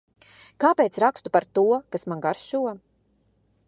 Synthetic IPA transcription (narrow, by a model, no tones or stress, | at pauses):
kaːpɛːt̪sɾakst̪upaɾt̪uɔkasmanɡaɾʃuɔ